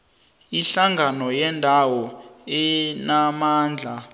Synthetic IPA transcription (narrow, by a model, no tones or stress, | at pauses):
iɬaŋɡʱanɔjɛndʱawɔɛnamaːnd͡ɮʱa